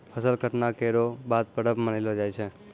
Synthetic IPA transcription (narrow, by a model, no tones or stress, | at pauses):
pʰəsəlkəʈnakeɾobad̪̚pəɽəpməɽilod͡ʒajt͡ʃʰe